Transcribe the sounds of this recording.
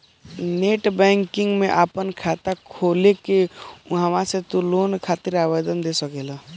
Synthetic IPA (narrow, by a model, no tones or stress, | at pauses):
neːʈbɛ̃ːŋkɪŋɡmẽʔaːpənkʰat̪akʰolekeɦəmãset̪uloːnkʰaːt̪iɾaːʋed̪ənd̪esəkela